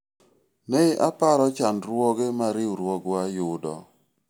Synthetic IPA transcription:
neɪʔapaɾɔt͡ʃandɾwɔɡemaɾɪuɾwɔɡwajʊdɔ̰

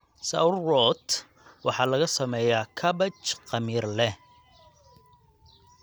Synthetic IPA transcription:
sɐ̰wrːɔt̪ | wɑħɑːlɐɣɐsɐmɛjaːkʰɐbɐt͡ʃqɑmiːrlɛ

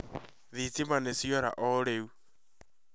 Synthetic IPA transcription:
ðit͡simanesiɔɾa̰ʔɔɾeu

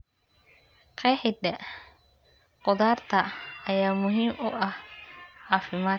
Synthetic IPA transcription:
qʰɛːħɪd̪ɛ | qɔðaːrt̪ʰɐɐjaːmʊɦiːmʊʔɐhʕɑːfɪmaː

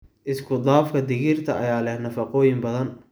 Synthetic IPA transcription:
ʔɪskʰʊd̪aːfkʰɐd̪ɪɣɪrt̪ʰɐʔɐ̰jaːlɛhnɐfɑqɔːjɪmbɐðɐn

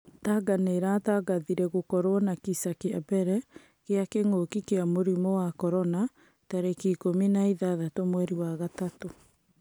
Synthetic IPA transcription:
taɡaneɾataɡaðiɾɛɣokɔɾwɔnakisakeabɛɾɛ | ɣeakeŋokikeamoɾimɔwakɔɾɔna | taɾekikominaiðaðatomwɛɾiwaɣatato

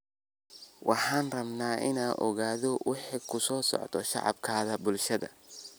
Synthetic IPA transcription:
wʔɑħɑːnrɐbnaːʔɪnaːʔɔ̰ɣaːðɔwʔɪħikʰʊsɔːsɔ̰ʕt̪ʰɔʃɑ̰ʕɑ̰bkʰaːðɐbʊlʃɐðɐ̰

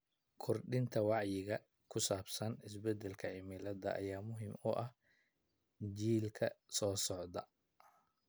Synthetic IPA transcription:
kʰɔrɖɪnt̪ʰɐwɑʕjɪɣɐ | kʰʊsaːbsɐnɪs̬bɛd̪ɛlkʰɐʕɪmɪlɐd̪ɐ̰ʔɐjaːmʊɦɪmʊʔɐh | d͡ʒiːlkʰɐsɔːsɔʕd̪ɐ

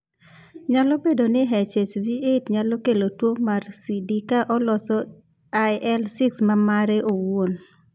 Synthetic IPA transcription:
ɲalɔbedonɪɦɛt͡ʃet͡ʃviʔetɲalɔkelotwomarsidikaʔɔlɔsɔ | ajʔɛlsiksmamaɾeʔowon

